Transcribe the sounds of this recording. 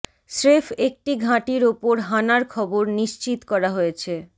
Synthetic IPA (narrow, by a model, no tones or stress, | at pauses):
sɾefek̚ʈiɡʱãʈiɾopoɾɦanaɾkʰɔboɾniʃt͡ɕit̪kɔɾaɦojet͡ɕʰe